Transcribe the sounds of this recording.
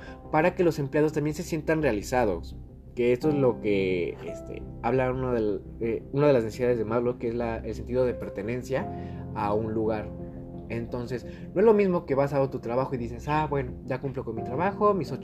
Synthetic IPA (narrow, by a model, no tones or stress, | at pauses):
paɾake̞lo̞se̞mplejað̞o̞st̪ambje̞nse̞sje̞nt̪anrealisað̞o̞̰s | keest̪oezlo̞keḛst̪ḛaβlaunoðe | eunaðelaznesiðaðe̞zðemaðlokeezlaelse̞nt̪iðo̞ð̞e̞pe̞ɾt̪e̞ne̞nsjaː | unluɣaɾ | e̞nt̪o̞nse̞s | noe̞zlo̞mizmo̞ke̞βasaɣot̪ut̪ɾaβaxo̞iðise̞sabwe̞noʝakumplo̞ko̞nmit̪ɾaβaxo̞miso